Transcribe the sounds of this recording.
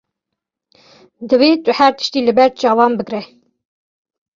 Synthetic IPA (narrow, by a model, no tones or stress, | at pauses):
d̪ɨveːt̪ʊhæɾt̪ə̥ʃt̪iːlɨbɛɾ̚t͡ʃɑːwɑːnbɨɡɾɛ